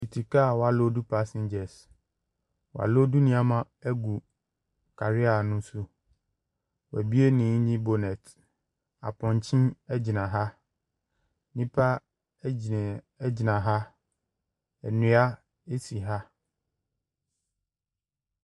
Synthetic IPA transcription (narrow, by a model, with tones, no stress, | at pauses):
i˨tʰi˨ka˦˨wɔ˨˦a˨lo˦du˦pʰa˦sɪ̃˦ɲd͡ʑɛ˨s | wɔ˨a̰˨lo˦du˦nĩ˦a˨mã˦ | æ˦ɡu˨ | kʰa˨ɾɪ˦a˨nʊ̃˦su˦ | wæ˨bi˦e˦nĩː˨˦ɲĩ˦bo˨nɛ̃˨t | a̰˨pʰɔ̃˨ɲ˨t͡ɕʰĩ˦ɛ˦d͡ʑi˨nã˨ɦa˦ | nĩ˦pʰa˦˨˦ | d͡ʑɪ˨nã˨ɦa˦ | ɛ˨nũ˨˦a˦ | e˦si˨ɦa˦